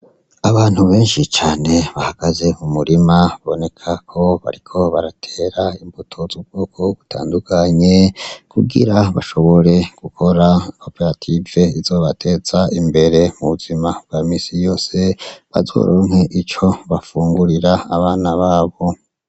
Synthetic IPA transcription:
aβaːn̥huβe̞ːnʃit͡ʃaːne̞βahaɡ̥aze̞mumuɾimaβaβone̞kʰakʰo̞βa̰ɾikʰo̞βaɾatʰe̞ːɾaimbutʰo̞zub̚ɡoːkʰo̞ɡ̥utʰa̰ːndukʰaɲe̞kʰuɡḭɾaβaʃo̞βo̞ɾe̞ɡ̥ukʰo̞ɾako̞peɾatʰive̞izo̞βatʰe̞ːz̥aimbe̞ɾe̞muβuzimab̥̚ɡamiːsijo̞ːse̞βa̰zo̰ɾʔo̰ŋhe̞ʔit͡ʃo̞βafuːŋɡuɾiɾaːβaːnaβaːβo̞

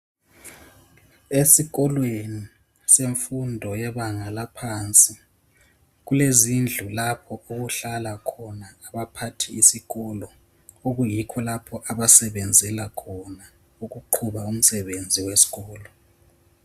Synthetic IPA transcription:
esiɣɔlweni | seɱfundʱɔjɛβaŋalapʰant͡sʼi | ɣulezind͡ɮʱulapʰɔoɣuɬalakʰɔnaːβapʰatʰiːsiɣɔlɔ | oɣujikʰɔlapʰɔʔaβasɛβend͡zʱɛlakʰɔna | uɣuǃʰuβaum̩sɛβend͡zʱiwesi̥ɣɔːlɔ

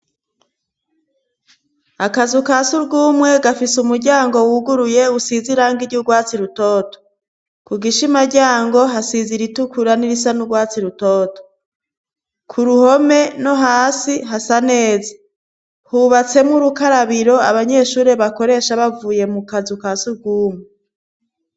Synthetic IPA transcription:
akazukasuɾɡuːmŋe̞ɡafisumuɾɟaːŋɡo̞wuɡuɾuje̞usiziɾaŋɡiɾɟuɡwaːt͡siɾuto̞ːto̥ | kuɡiʃimaɾɟaːŋɡo̞ɦasiziɾitukuɾaniɾisanuɡwaːt͡siɾutoto̥ | kʰuɾuho̞me̞no̞ɦaːsiɦasane̞ːze̥ | huβat͡se̞mŋuɾukaɾaβiɾo̞aβaɲe̞ʃuːɾe̞βako̞ɾe̞ʃaβavuːje̞mukazukasuɾɡuːmŋe

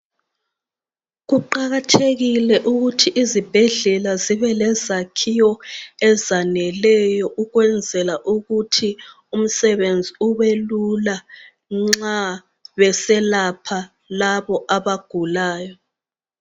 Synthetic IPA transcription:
ɣuǃaɣatʰeɣilɛʔuɣutʰiʔizib̥ʱɛɮɛlaziβɛlɛzakʰijɔɛzanɛlɛjɔʔuɣwɛnd͡zʱɛlaʔuɣutʰi | um̩sɛβend͡zʱiuβelula | ŋ͡ǁa | βɛsɛlapʰa | laβɔʔaβaɡ̥ʱulaːjɔ

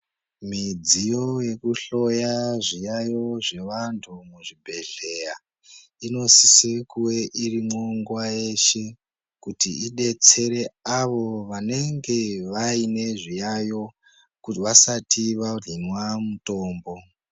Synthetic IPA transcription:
mid͡zijoje̞kuɬo̞jaʐijajo̞ʐe̞ʋantʰumuʐibʱe̞ɮeja | ino̞sisekuwe̞ʔirimoŋɡwajeʃe̞ | kutiiɗe̞t͡se̞ɾe̞aʋo̞ʋane̞ŋɡe̞ʋaine̞ʐijajo | kuʋasatʰiʋarinwamuto̞ːmbo̞

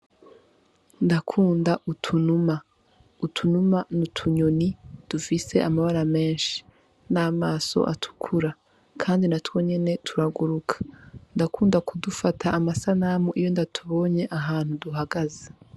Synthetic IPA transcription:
ndakʰuːndaʔutʰunuma | utʰunumanutʰuɲonid̥ufise̞̰ʔamaβaɾame̞ːnʃi̥ | naːmaːso̞̰ʔa̰tʰu̥kʰuɾa | kʰaːndinatwo̞ɲe̞ne̞tʰuɾaɡuɾukʰḁndakuːndakudufatʰaʔːmasanamuʔijo̞ndatʰuβo̞ːɲe̞ʔaɦaːn̥huduɦaɡaze

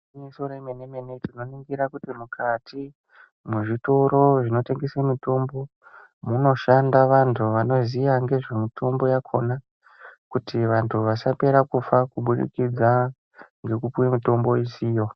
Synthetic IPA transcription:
misoɾeimeneme̞netino̞niŋɡiɾakutimukʰatʰi | muʐito̞ɾo̞ʐino̞te̞ŋɡesemito̞mbo̞ | muno̞ʃandaʋantʰuʋano̞zijaŋɡe̞ʐe̞mitʰo̞mbo̞jakʰo̞na | kutiʋantʰuʋasape̞ɾakufakuɓuɗḭkid͡za | ŋɡe̞kupuwemito̞mbo̞isiːjo̞

